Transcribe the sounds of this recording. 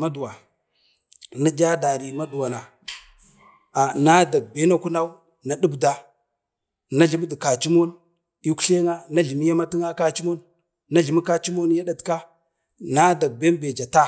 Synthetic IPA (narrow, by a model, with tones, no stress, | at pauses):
ma˦du˨wa˨ | na˦d͡ʒa˦da˨ɾi˨ma˦du˨wa˨na˨ | a˨na˦da˨ɡ̚be˦na˦ku˦na˦u˦ | na˨ɗu˦bda˨ | na˦ɮi˨m˦di˨ka˨t͡ʃi˦mo˦n | i˦ku̥˦ɬe˦ŋa˦na˦ɮi˨m˦ja˦ma˦ti˦ŋa˦ka˦t͡ʃi˦mo˦nː | a˦ɮi˨mi˦ka˦t͡ʃi˦mo˦n˦ja˦ɗa˨tka˦ | na˦da˨ɡ̚be˦n˦be˨d͡ʒa˨ta˦